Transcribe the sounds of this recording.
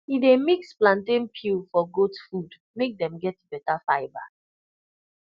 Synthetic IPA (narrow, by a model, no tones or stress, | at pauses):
idemiksplãntẽnpʰilfɔɡotfud | mek̚dɛ̃mɡɛtbɛtafaɪba̰